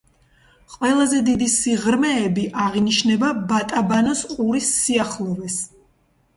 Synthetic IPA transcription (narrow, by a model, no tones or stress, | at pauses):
qʼwɛlˠazɛd̪id̪isiʁɾmɛːbiʔaʁiniʃnɛbabat̪ʼabanɔsqʼuɾisːiaχlˠɔvɛs